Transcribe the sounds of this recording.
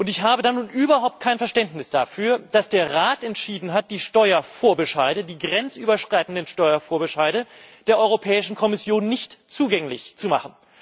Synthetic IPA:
ʔʊntɪçhaːbədanːuːnʔyːbɐɦaʊpt̚kʰaɪnfɛɐʃtɛntnɪsd̥afyːɐd̥asd̥eːɐʁaːtɛntʃiːdn̩ɦat̚d̥iːʃtɔʏɐfoːɐbəʃaɪdədiːɡʁɛnt͡sʔyːbɐʃʁ̥aɪtn̩dənʃtɔʏɐfoːɐbəʃaɪɾəd̥eːɐʔɔʏʁopʰɛːɪʃn̩kʰɔmɪsjoːnːɪçtt͡suːɡɛŋlɪ̰çt͡sumaχn̩

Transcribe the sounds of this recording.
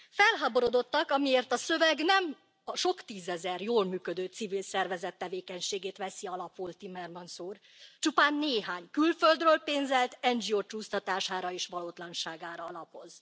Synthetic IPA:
fɛlɦaːbo̞ɾod̪o̞t̪ːɒkɒmieːrt̪ɒsø̞vɛɡnɛm | ɒʃo̞kt̪iːzɛzɛrjoːlmyːkød̪øːt̪sivilsɛrvɛzɛt̪ːɛveːkɛɲʃeːɡeːt̪ʋɛsiɒlɒpult̪imɛrmɒnsuːr | t͡ʃupaːnːeːɦaːɲkylføld̪røːlpeːnzɛlt̪ɛnd͡ʒioːt͡ʃuːst̪ɒt̪aːʃaːɾɒeːʃʋɒloːt̪lɒnʃaːɡaːɾɒɒlɒpo̞z

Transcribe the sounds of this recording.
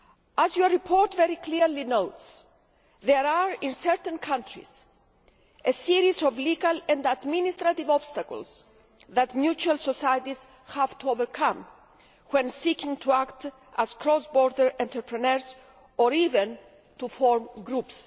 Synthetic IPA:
azjɔipʰoɹt̪veɾikliɾlinowts | ðeɾaɹĩnsɛɹt̪ə̃nkʰãnt̪ɹḭs | esiɾizɔvliɡalɛ̃nd̪ad̪minist̪ɾat̪ivɔbst̪akə̰lˠs | ðat̪mjut͡ʃualsosajt̪iz̥ | havt̪ʰuovəɾkʰãm | wɛ̃nsikĩŋt̪ʰuakt̪ | ʔaz̥kɾɔsbɔɾd̪əɹɛ̃nt̪ʰəɾpʰɹənɛɹs | ɔɾivɛ̃n | t̪ufɔɹmɡɾups

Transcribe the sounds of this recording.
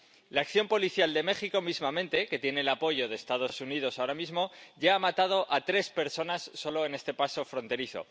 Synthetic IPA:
laːkθjo̞mpo̞liθjald̪e̞me̞xiko̞mizmamẽnt̪e̞ke̞t̪je̞ne̞ːlapo̞ʝo̞ð̞e̞ːst̪að̞o̞sunið̞o̞saoɾamizmo̞ʝaamat̪að̞o̞ʔat̪ɾe̞spe̞ɾso̞nasːo̞lo̞e̞ne̞st̪e̞paso̞fɾo̞nt̪e̞ɾiθo̰

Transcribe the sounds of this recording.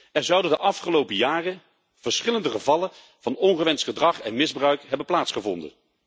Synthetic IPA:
ɛɹzʌwdəndəʔɑfχəlowpəjaːrə | v̥əɹsχɪləndəχəvɑlə | v̥ɑnɔnχəʋɛnstχədrɑχɛnmɪzbrœɥkɦɛbənplaːtsχəvɔ̰ndə̰n

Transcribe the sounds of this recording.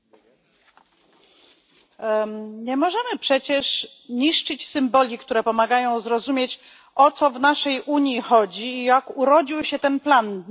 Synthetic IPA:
ɲɛmɔʐɛmɘpʂɛt͡ɕɛʂ | ɲiʂt͡ʂɘt͡ɕsɘmbɔlʲikt̪uɾɛpɔmaɡajɔ̃w̃zɾɔzumʲjet͡ɕ | ɔt̪sɔvnaʂɛjʔuɲjixɔd͡ʑiːjakuɾɔd͡ʑiwɕɛt̪ɛnplan

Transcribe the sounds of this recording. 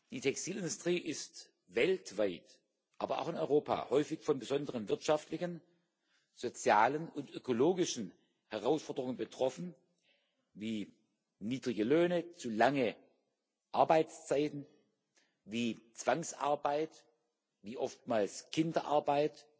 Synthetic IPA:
d̥iːtʰɛkstʰiːlɪndʊstʁ̥iːʔɪst | vɛltv̥aɪt | ʔaːbɐa̰ʊxɪnɔ̰ʏʁoːpa̰ːhɔʏfɪçfɔnbəzɔndəʁənvɪɐtʃaftlɪçən | z̥ot͡sjaːlənʊntʔøkoloːɡɪʃn̩ | hɛʁaʊsfɔɐdəʁʊŋənbətʁ̥ɔfn̩ | viː | niːdʁɪɡəløːnət͡sulaŋə | ʔaɐbaɪt͡st͡saɪtn̩ | viːt͡sv̥aŋsʔa̰ɐbaɪt | viːʔɔftmaːlskʰɪndɐʔaɐbaɪt

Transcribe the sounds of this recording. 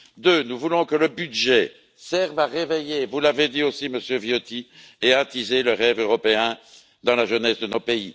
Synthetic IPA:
d̪øːnuvulɔ̃kələbyd̪ʒɛ | sɛʁvaʁevejevulaved̪iosiməsjøvjot̪i | ɛat̪izeləʁɛvøʁɔpeɛ̃ | d̪ɑ̃laʒənɛsd̪ənopei

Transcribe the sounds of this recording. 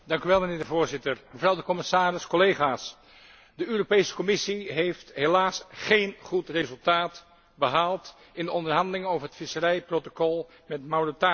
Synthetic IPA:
dɑŋkyʋɛlˠmənɪːɹdəvoːɹzɪtəɹməvrʌwdəkɔmɪsaːrɪskɔlejχaːs | dəøːropejsə̥kɔmɪsiɦejftɦelaːsχejnχutrezɵlˠtaːt | bəɦaːlˠt | ɪndəɔndəɹɦɑndəlɪŋnowvəɹɦətfɪsərɛjprotokɔlˠ | mɛtmawrota

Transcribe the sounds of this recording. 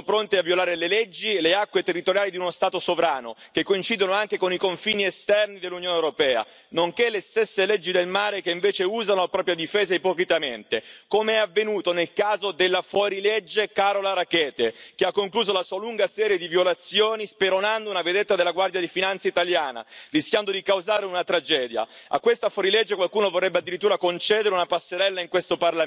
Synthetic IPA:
pɾont̪eavːjolaːɾeleled͡ʒːileakːwet̪erːit̪oɾjaːlid̪iunost̪aːt̪osovɾaːno̰k̟ekːoint͡ʃiːd̪onoaŋk̟ekonikoɱfiːniest̪ɛrnid̪elːunjoːnewɾopɛːa̰ | noŋkelːest̪esːeled͡ʒːid̪elmaːɾekeiɱveːt͡ʃeuːzanolapɾɔːpɾjad̪ifeːzaipokɾit̪ament̪ekomeɛavːenuːt̪onelkaːzod̪elːafwɔːɾiled͡ʒːekaːɾolaɾakɛːt̪ek̟eakːoŋkluːzolasuːaluŋɡasɛːɾjed̪ivjolat̪sːjoːnispeɾonand̪ounaved̪et̪ːad̪elaɡward̪jad̪ifinant̪seit̪aljaːna̰riskʲjand̪od̪ikawzaːɾeunat̪ɾad͡ʒɛːd̪ja̰a̰kːwest̪afɔɾiled͡ʒːekwalkuːnovorːɛbːead̪ːiɾit̪ːuːɾakont͡ʃɛːd̪eɾeunapasːeɾɛlːaiŋkwest̪oparla

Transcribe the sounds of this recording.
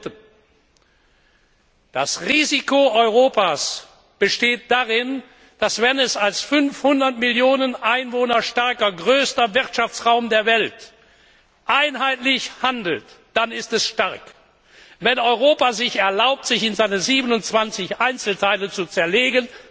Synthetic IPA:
tə | d̥asʁiːzikoɔʏʁoːpaːs | b̥əʃteːt̚d̥aʁɪn | d̥asv̥ɛnɛsalsfʏnfhʊndɐtmɪljoːnənʔaɪnvoːnɐʃtaɐkɐɡʁøːstɐvɪʁtʃaft͡sʁaʊmdeːɐvɛlt | ʔaɪnɦaɪtlɪçhandl̩td̥anɪstɛsʃtaɐk | vɛnɔʏʁ̞oːpazɪçɛɐlaʊp̚tz̥ɪçɪnzaɪnəziːbənʊnt͡sv̥ant͡sɪçʔaɪnt͡sl̩tʰaɪlət͡sut͡sɛɐleːɡən

